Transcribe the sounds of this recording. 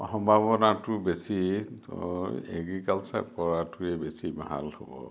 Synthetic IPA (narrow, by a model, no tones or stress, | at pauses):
hɔmbʱabɔnatʊbesi | ḛɡɹikalsa̰pɔɹatuɛbesibaɦa̰lho̰bɔ̰